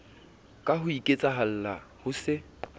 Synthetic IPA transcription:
kʼaɦʊikʼet͡sʼaɦal̩lahʊsɪ

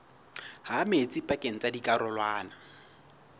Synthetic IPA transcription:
hamet͡sʼipʼakʼeŋ̩t͡sʼadikʼaɾɔlwaːna

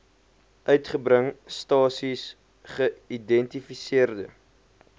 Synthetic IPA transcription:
ʔœɥtχəbɾəŋstɑːsis | χəidɛntifisiərdə

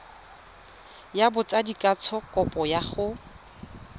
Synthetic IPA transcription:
jabʊt͡sʼadikʼat͡sʰɔkʼɔpʼɔjaχʊ

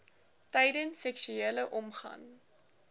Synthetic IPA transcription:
tɛjdənsːɛksyeːləʔɔmχɐ̰n

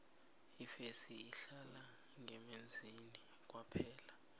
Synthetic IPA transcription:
ifesiːɬala | ŋɛmend͡zʱini | k̬ʼwapʰɛːla

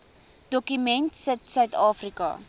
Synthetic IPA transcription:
d̥ɔkymɛntsətsœɥtɑːfrikɐ̰

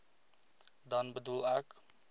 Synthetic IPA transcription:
dɐnbədulɛk

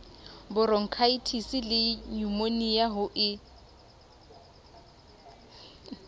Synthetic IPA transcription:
bʊɾɔŋ̩kʰaitʰisɪlɪɲumonijaɦʊʔɪ

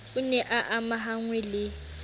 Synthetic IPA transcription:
unɛʔaʔamaɦaŋwɛlɪ

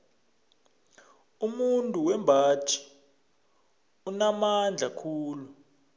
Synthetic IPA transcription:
umuntʼuwɛmbʱaːt͡ʃʰʼi̥ | unamand͡ɮʱakʰuːlu

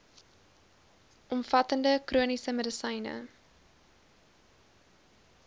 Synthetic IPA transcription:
ʔɔmfɐtəndəkruənisəmədəsəjnə̰

